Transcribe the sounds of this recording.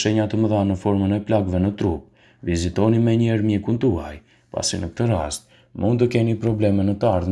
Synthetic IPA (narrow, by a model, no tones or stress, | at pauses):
ʃɛɲat̪əməðanəfɔɾmənɛplaɡvɛnət̪ɾup̚ | vizit̪ɔnimɛɲɛɾmjɛkunt̪uaj | pa̰sinək̚t̪əɾast̪̚ | mund̪t̪əkɛnipɾɔblɛmɛnət̪əaɾð